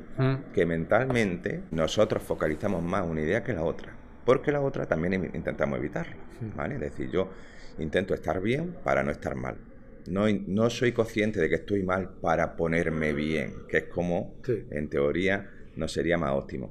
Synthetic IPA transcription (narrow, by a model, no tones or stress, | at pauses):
ke̞mẽnt̪almẽ̞nt̪e̞no̞so̞t̪ɾo̞sfo̞kaliθamo̞ɦmasunaið̞e̞ake̞lao̞t̪ɾa | po̞ɾke̞lao̞t̪ɾat̪ambje̞ŋḭnt̪e̞nt̪amoeβit̪aɾloba̰le̞ðe̞θḭɾʝo̞ | int̪e̞nt̪oe̞st̪a̰ɾβje̞mpa̰ɾa̰no̞e̞st̪a̰ɾma̰l | no̞no̞so̞jko̞θje̞nt̪e̞ðe̞kest̪o̞jmalpaɾapo̞ne̞ɾme̞βje̞̰ŋkeehkʰo̞moe̞̰nt̪e̞o̞ɾia | no̞se̞ɾiama̰so̞̰t̪imo̰